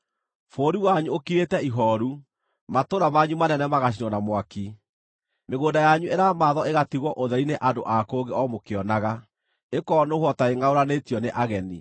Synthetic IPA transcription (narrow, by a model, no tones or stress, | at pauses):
foːɾiwaɲuokiɾetɛiɦɔɾu | matoɾamaɲumanɛnɛmaɣaɕinɔnamwaki | meɣoːndajaɲueɾamaðɔeɣatiɣwɔʔoðɛɾineʔandoʔakoːɡeɔmokeɔnaɣa | ekɔnohwɔtaeŋaoɾanetijɔneʔaɣɛni